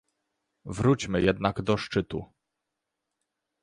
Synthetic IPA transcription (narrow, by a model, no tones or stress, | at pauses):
vɾut͡ɕmɘjɛd̪naɡd̪ɔʂt͡ʂɘt̪ṵ